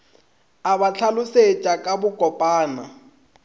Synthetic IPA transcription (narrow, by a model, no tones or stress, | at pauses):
aβat͡ɬʰalʊset͡ʃʼakʼabʊkʼɔpʼaːna